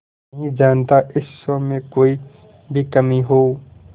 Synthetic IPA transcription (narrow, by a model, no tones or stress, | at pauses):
ɦĩd͡ʒaːnt̪aʔɪsəmẽkoːi | bʱikəmiɦoː